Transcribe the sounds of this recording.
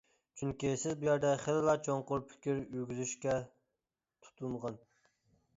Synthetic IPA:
t͡ʃʰyŋkʲisɪzbujæɾd̪ɛχelɪlˠɑt͡ʃʰoŋqʊɾpʰɪ̥kʲʰiɾyɡʲyzyʃkʲɛ | t̪ʰu̥t̪ʰunʁɑn

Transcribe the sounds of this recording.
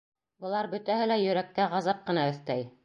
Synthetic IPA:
bɤ̆lˠɑɾbɵ̆t̪æhɘlæjɵ̆ɾæk̚t̪æʁɑzɑp̚qɤ̆nɑɵ̆θt̪æj

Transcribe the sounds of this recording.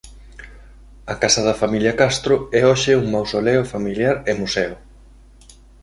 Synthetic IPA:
ɐkasɐðɐfamiljɐkast̪ɾʊɛoʃɪuŋmawsolɛʊfamiljaɾɪmusɛʊ

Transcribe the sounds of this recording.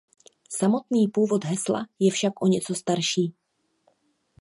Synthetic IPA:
samo̞t̪niːpuːvo̞d̪ɦɛsla̰jɛfʃakʔo̞ɲɛt͡so̞st̪aɾʃiː

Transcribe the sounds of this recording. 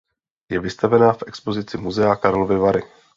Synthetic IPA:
jɛvɪst̪avɛnaːfʔɛkspo̞zɪt͡sɪmuzɛakaɾlovɪvaɾɪ

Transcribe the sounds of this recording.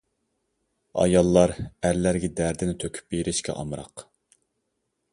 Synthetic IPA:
ɑ̰jɑlˠːɑɾæɾlæɾɡʲɛd̪æɾd̪ɪnɪt̪ʰøkʲʰy̥p̚beɾɪʃkʲʰɛ̰ʔɑ̰mɾɑ̰q

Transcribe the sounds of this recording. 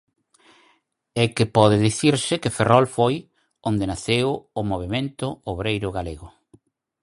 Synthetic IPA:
ɛkɪpɔðɪðiθiɾsɪkɪferɔlfoj | ond̪enaθewʊmoβ̞emẽnt̪ʊoβɾejɾʊɣaleɣʊ

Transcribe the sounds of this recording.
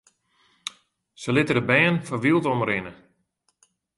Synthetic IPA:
səlɪtədəbɛːənfɔʋilˠtɔmrɪnə

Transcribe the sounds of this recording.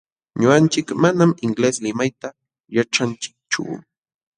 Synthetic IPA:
ɲoɢant͡ʃɪkmanamɪŋɡleslɪmajt̪a | jaʈ͡ʂant͡ʃɪ̥k̚t͡ʃʊ̰

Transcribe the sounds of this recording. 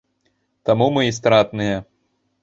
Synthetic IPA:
t̪amumɨis̬t̪ɾat̪nɨjɐ

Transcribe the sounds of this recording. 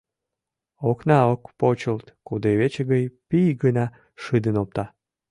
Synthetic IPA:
oknɑokpot͡ɕəlt̪kud̪eβet͡ɕəɣəjpijɡənɑ | ʃɨd̪ənop̚t̪ɑ

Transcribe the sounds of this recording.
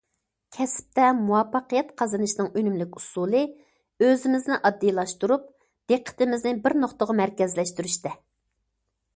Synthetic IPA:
kʲʰɛsp̚t̪ɛmuwɑpːɑqəjɛt̪qʰɑzɨnɨʃnɨŋønymlɪkʲusulˠɨ | øzɪmɪznɪʔɑd̪ːijlˠɑʃt̪uɾup̚ | d̪̥eqʰːə̥t̪ɪmɪznɪbɪɾnoχt̪əʁɑmæɾkʲɛzlɛʃt̪yɾyʃt̪ɛ

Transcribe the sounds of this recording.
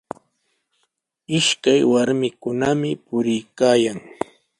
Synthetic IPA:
ɪʃkajwaɾmɪkʊnamɪpʊɾɪjkaːjaŋ

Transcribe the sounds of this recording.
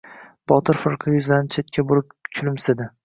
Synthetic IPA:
b̥ɒt̪ʰɪɾfɪɾqʰɨjʊzlaɪnt͡ʃʰet̪̚kʲʰabʊɾɪp̚kʲʰʊlɪmsɪd̪ɪ

